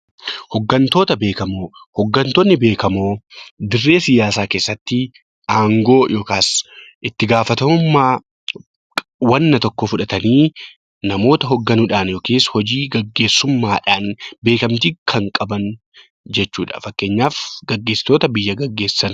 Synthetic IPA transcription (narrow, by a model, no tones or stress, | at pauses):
hɔɡːɐnt̪oːt̪ɐbe̞ːkɐmoːhɔɡːɐnt̪oːnːɪbe̞ːkɐmoːd̪ɪrːe̞ːsɪjaːsaːke̞ːsːɐt̪ːɪ | aːŋɡo̞ːjʔo̞ːkaːsʔɪt̪ːɪɡaːfɐt̪ɐmʊmːaː | wɐnːɐt̪ɔkːɔfʊᶑɐt̪ɐniː | nɐmo̞ːt̪ɐɦɔɡːɐnʊᶑaːnjoːkeːshɔd͡ʒiːɡɐɡːe̞ːsːʊmːaːᶑaːnbe̞ːkɐmt̪iːkʰɐŋkʼɐbɐn | d͡ʒɛt͡ʃːuːᶑɐ̥̰fɐkːe̞ːɲːaːfɡɐɡːeːsːɪ̥t̪o̞ːt̪ɐbɪjːɐɡɐɡːe̞ːsːɐn